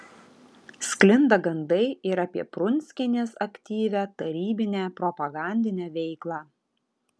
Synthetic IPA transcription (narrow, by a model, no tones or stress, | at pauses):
sʲklʲɪnd̪ɐɡɐnd̪ɐɪɪɾɐpʲiɛpɾʊnʲsʲkʲɛnʲeːsɐkʲt̪ʲiːʋʲæːt̪ɐɾʲiːbʲɪnʲæːpɾɔpɐɡɑˑnʲd̪ʲɪnʲæːʋʲɛɪklˠɑː